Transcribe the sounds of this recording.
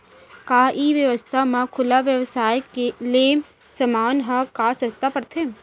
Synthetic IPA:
kaiʋjəʋəst̪ʰamãkʰʊlaʋjəʋsaːjkele | səmaːnɦəkasə̃st̪ʰapəɾt̪ʰe

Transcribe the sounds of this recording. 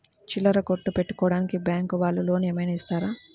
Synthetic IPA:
t͡ʃilːɐɾɐkoʈːupeʈːu̥kɔːɽaːnikibjaːŋkuʋaːɭːulo̞ːneːmɐjnɐist̪aːɾaː

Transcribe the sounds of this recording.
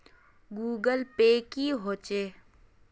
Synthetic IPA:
ɡuːɡəlpeːkiɦoːt͡ʃeː

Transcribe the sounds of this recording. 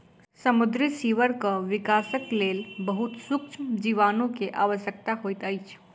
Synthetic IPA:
səmʊd̪ɾisiːʋəɾkəʋɪkaːsəkleːlbəɦut̪sʊkt͡ʃʰd͡ʒiʋaːnõkeʔa̰ːʋəʃjək̚t̪aɦoit̪əjt͡ʃʰ

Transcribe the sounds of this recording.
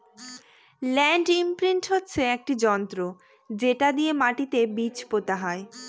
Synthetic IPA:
lɛɳɖimpɾiɳʈɦotːɕʰeek̚ʈid͡ʑɔnt̪ɾo | d͡ʑeʈad̪ijemaʈit̪ebit͡ɕpot̪aɦae

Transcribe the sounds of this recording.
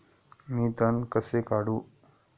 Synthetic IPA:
mĩːt̪ankəsekaːɽuː

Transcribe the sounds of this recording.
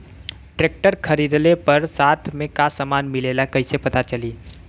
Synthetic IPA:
ʈɾeːk̚ʈəɾkʰɐɾiːd̪lepɐɾsaːt̪ʰmẽkasəmaːnmɪleːlakɐisepɐt̪at͡ʃɐliː

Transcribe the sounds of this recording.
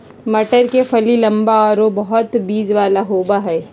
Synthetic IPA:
mɐʈəɾkefʰɐlilɐmbaɔːɾobɐɦʊt̪biːd͡ʒʋaːlaɦoːbaɦɛː

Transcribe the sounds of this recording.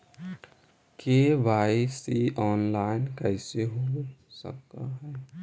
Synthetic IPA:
keːʋaːisiɔːnlaːɪnkɛːseɦosə̰k̚t̪a̰ɦɛː

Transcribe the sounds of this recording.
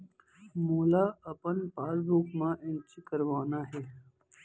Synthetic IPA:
moːlaːəpənpaːɾbuːkmãːʔɪnt͡ʃikəɾʋaːnaːɦeː

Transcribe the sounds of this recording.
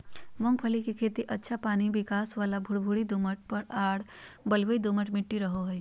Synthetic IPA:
mõŋɡpʰəlikikʰeːt̪iʔɐtːʃʰapaːnibɪkaːsʋaːlabʱʊɽbʱuːɽid̪uməʈ̚pɐɾaːɽ | bəlʋəid̪uməʈmɪʈːiɾɐɦoɦɛ

